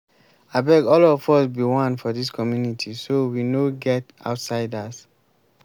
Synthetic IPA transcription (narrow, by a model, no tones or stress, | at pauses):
abɛɡɔlɔfɔsbiwɔ̃nfɔdiskʰɔmjunitʰisowinoɡɛt | a̰ʊtsaɪdas